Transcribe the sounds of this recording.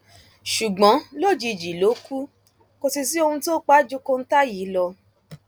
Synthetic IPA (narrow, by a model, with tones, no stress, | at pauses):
ʃu˨ɡ͡bɔ̃˨˦lo˦˨d͡ʒi˧˨d͡ʒi˨lo˨˦ku˦ | ko˧si˧s̬i˦o˧hũ˧to˦k͡pa˦d͡ʒo˧ko˧n̩˦ta˦ji˨˦lɔ˧